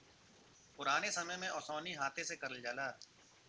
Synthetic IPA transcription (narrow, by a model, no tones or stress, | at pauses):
pʊɾaːneːsəməmẽʔɔːsoːniːɦaːt̪ʰesekəɾəld͡ʒaːlaː